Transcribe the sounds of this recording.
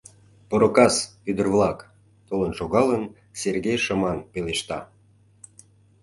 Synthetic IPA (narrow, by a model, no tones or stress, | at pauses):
poɾokɑsyd̪ərβlˠɑk | t̪olənʃoɣɑlən | serɣejʃəmɑnpeleʃt̪ɑ̰